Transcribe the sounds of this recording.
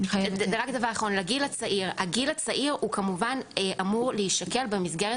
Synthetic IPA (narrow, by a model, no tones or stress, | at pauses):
eʁakd̪avaʁaχonleɡilat͡saʔiʁhaɡilat͡saʔiʁhukamuvanʔamuʁlehiʃt̪ake̞lbemisɡeʁe